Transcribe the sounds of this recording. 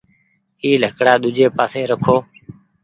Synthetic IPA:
iːləkɽaːɗ̪ʊd͡ʒeːpaːsẽːɾəkʰoː

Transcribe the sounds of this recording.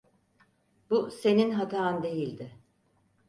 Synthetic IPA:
buse̞ninɦat̪ʰaːɯnd̪e̞jilʲd̪ɪ

